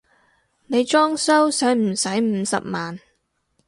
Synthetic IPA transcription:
ne˨˧jt͡ʃɔː˥ŋsɐ˥wsœː˨˥ŋm̩˨˩sɐ˨˥jm̩ː˨˧˥sɐ̰˨p̚maː˨n

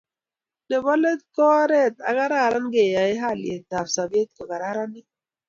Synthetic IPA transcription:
de˨bɔ˦le˦t̪̚kɔ˦ɾɛ˦˨t̪a̰˨˦ɡa˦ɾa˦˨ɾa˦nɡe˨ja˨i˦ɦa˦˨lje˨t̪a˨fsa˨bi˦e˦t̪̚kɔ˨ɡa˨ɾa˦ɾa˦ni˦

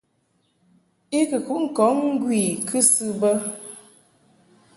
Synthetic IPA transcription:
i˦kɨ˨ku˨˦ŋ̩˨kɔ˨˦ŋŋ̩˦ɡwi˨kʰɨ˦sɨ˦bə˦

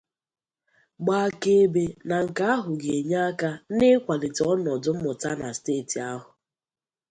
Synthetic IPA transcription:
ɡ͡ba˨ke˦be˨na˨ŋ̩˨ka˦a˦ɦʊ˨ɡe˨ɲa˦a˦ka˦nɪ˦kʷa˨lɪ˨tɔ˦nɔ˨dʊ˦m̩˦mʊ˨ta˦na˨steː˦˨ti˨a˦ɦʊ˨

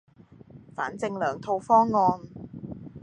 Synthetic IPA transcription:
fa̰ː˨˥nt͡sɪ˧ŋlœː˨˩ŋt̪ʰo˧wfɔː˥ŋːɔː˧n

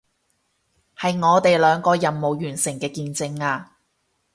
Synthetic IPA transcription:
hɐ˨jŋɔː˨˧t̪e˨jlœː˨˧ŋkɔː˧jɐ˨mmo˨wjyː˨˩nsɪ˨˩ŋkɛː˧kiː˧nt͡sɪ˧ŋaː˧

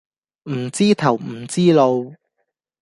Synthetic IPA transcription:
m̩˨˩t͡siː˥t̪ʰɐ˨˩wm̩˨˩t͡siː˥lo˧w

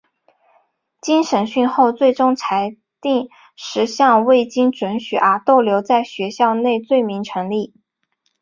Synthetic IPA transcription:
t͡ɕi˥nʂə˧˥nɕy˥˧nxo˥˧ʊt͡swe˥˩ɪʈ͡ʂʊ˥ŋt͡sʰa˧˥ɪ | t̪i˥˩ŋ | ʂɻ̩˧˥ɕjɑ˥˧ŋwe˥˩ɪt͡ɕi˥ŋʈ͡ʂwə˧˥nɕy˨˩ʔə˞˧˥t̪o˥˩ʊljo˧˥ʊt͡sa˥˩ɪɕɥɛ˧˥ɕjɑ˥˧ʊne˥˧ɪt͡swe˥˩ɪmi˧˥ŋʈ͡ʂʰɤ˧˥ŋli˥˩

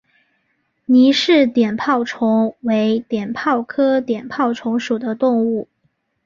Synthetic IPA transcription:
ni˧˥ʂɻ̩˥˩t̪jɛ˨˩npʰɑ˥˩ʊʈ͡ʂʰʊ˧˥ŋwe˧˥ɪt̪jɛ˨˩npʰɑ˥˩ʊkʰɤ˥t̪jɛ˨˩npʰɑ˥˩ʊʈ͡ʂʰʊ˧˥ŋʂu˨˩d̪ə˦t̪ʊ˥˧ŋu˥˩

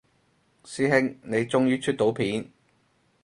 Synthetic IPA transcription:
siː˥ɦɪ˥ŋne˨˧jt͡sʊ˥ŋjyː˥t͡ʃʰy˥t̪o˨˧˥wpʰiː˨˥n

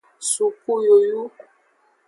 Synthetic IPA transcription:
su˨ku˦jo˨ju˦

